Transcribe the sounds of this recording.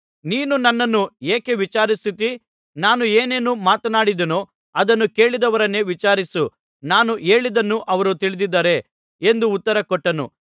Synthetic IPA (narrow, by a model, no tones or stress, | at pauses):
niːnunɐnːɐnːueːkeʋit͡ʃaːɾist̪it̪i | naːnue̞ːne̞ːnumaːt̪ɐnaːɽid̪ɐnoː | ɐd̪ɐnːuke̞ːɭid̪ɐʋɐɾɐnːe̞ʋit͡ʃaːɾisu | naːnuʔe̞ːɭid̪ɐnːuʔɐʋɐɾut̪iɭid̪id̪ːaːɾe̞ | end̪uːt̪ːɐɾɐkɔʈːɐnṵ